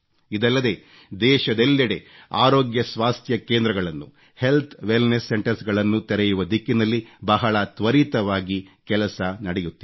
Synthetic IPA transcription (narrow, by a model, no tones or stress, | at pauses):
id̪ɐlːɐd̪e̞ː | d̪ɛːʃɐd̪elːiɽe | a̰ːɾoːɡjɐsʋaːst̪ʰjɐkeːnd̪ɾɐɡɐɭɐnːu | he̞lt̪ʰʋelnesːeɳʈɐɾsɡɐɭɐnːut̪ɛɾɛjuʋɐd̪ikːinɐlːibɐɦɐɭɐt̪ʋɐɾit̪ɐʋaːɡikɛlɐsɐnɐɽɛjut̪ːi